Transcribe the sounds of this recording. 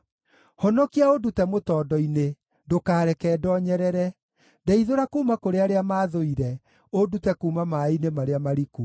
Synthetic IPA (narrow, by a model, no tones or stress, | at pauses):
hɔnɔkiaodutɛmotɔːdɔine | dokaːɾɛkɛdɔɲɛɾɛɾɛ | dɛiðoɾakuːmakoɾeaɾeamaːðoiɾɛ | odutɛkuːmamainemaɾeamaɾiku